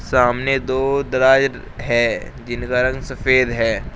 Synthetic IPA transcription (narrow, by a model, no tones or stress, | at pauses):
saːmned̪oːd̪ɐɾaːd͡ʒɾ | ɦɛː | d͡ʒɪnkaɾɐ̃ŋɡsɐfeːd̪ɦɛː